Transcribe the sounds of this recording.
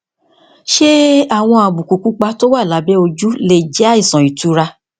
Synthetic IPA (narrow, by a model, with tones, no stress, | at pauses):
ʃe˦a˦˨w̃ɔ̃˧a˧˨bu˨ku˨ku˨˦k͡pa˧to˦wa˦˨la˨˦bɛ˦o˧d͡ʒu˦le˧˨d͡ʒɛ˦a˦i˦˨sɔ̃˨i˨tu˨˦ɾa˧